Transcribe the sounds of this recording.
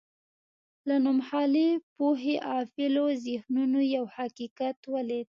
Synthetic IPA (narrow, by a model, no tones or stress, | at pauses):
lanʊmhɑlepoɦeʔɑfɪlozɪhnunojawhakikat̪wəled̪̚